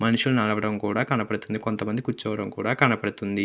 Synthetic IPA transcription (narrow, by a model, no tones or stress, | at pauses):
mɐnuʂulunɐɽɐʋɐɽɐmkuːɽaːkɐnɐpɐɽut̪und̪iko̞nt̪ɐmɐnd̪ikut͡ʃːɐːʋɐɽɐmkuːɽaːkɐnɐpɐɽut̪und̪i